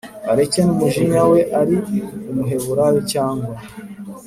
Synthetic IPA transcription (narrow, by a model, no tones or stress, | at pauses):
aɾe̞cenumuʒiɲawe̞ʔaɾiumuɦe̞βuɾajocaːŋɡwa